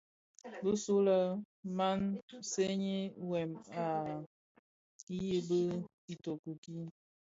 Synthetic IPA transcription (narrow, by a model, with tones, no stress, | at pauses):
bə˦su˦lə˦ | ma˦nse˦ɲi˦wɛ˨ma˨ | ji˦bə˦ | i˨to˨ku˨ki˦